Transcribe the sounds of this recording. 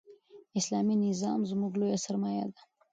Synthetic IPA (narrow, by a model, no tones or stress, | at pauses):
ɪslɑminɪzɑmzmuɡlojasaɾmɑjad̪a